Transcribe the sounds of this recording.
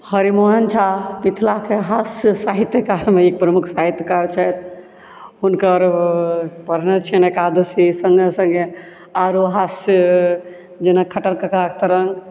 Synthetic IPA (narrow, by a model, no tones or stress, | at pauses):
həɾimoɦənt͡ʃʰapit̪ʰlakeɦassaɦit̪jəkaɾmeik̚pɾəmukʰsaɦit̪jəkaɾt͡ʃʰɛjt̪̚ʰ | ɦunkəɾ | pəɾnɛt͡ʃʰɛnɛkad̪əsisəŋɡesə̃ŋɡe | aɾoɦas | d͡ʒenakʰəʈəlkekakt̪əɾəŋɡ